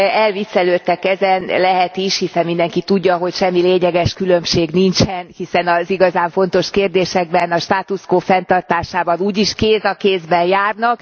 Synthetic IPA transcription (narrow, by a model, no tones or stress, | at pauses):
ɛlvisːɛløːt̪ːɛkɛzɛnlɛɦɛt̪iʃhisɛmmind̪ɛŋkit̪uɟːɒɦo̞cʃɛmːileːɲɛɡɛʃkylø̞mʃeːɡnint͡ʃɛnhisɛnɒziɡɒzaːɱfo̞nt̪o̞ʃkeːrd̪eːʃɛɡ̚bɛnɒʃt̪aːt̪uskoːfɛnt̪ɒrt̪aːʃaːbɒnuːɟiʃkeːzɒkeːzbɛnjaːrnɒk